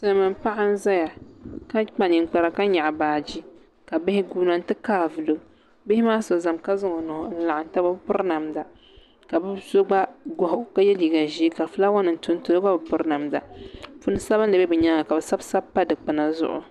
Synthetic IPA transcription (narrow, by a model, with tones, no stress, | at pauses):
sɨ˦lmɨ˨mpa˦ʔa˦n̩˦za˦ja˨ka˦k͡pa˨ni˨ŋ˨k͡pa˨ɾa˨ka˦ɲa˨ʔa˨baː˨d͡ʒi˦ | ka˨bɪ˦hɪ˦ɡuː˦na˨n̩˦tɨ˦kaː˦vɨ˨lo˨ | bɪ˦hɪ˦maː˦so˨za˨mka˦zɨ˦ŋo˨nʊ˨hʊ˨n̩˦la˨ʔa˨n˦ta˦ba˦bpʊ˦ɾna˨mda˨ | ka˨bɨ˦zo˦ɡ͡ba˦ɡɔ˨ɦʊ˨ka˦jɛ˦liː˨ɡa˨ʒi˦ka˨fɨ˦la˦wa˦nɨ˨n˨tʊ˦n˦tʊ˦ba˦bɨ˨pʊ˦ɾna˨mda̰˨fʊ˦nɨ˦sa˦βɨ˦nlɨ˨bɛ˦bɨ˨ɲa˦ŋa˨ka˨bɛ˨sa˦bsa˦bpːa˦dɨ˨k͡pɨ˨na˨zʊ̰˦ʔʊ̰˨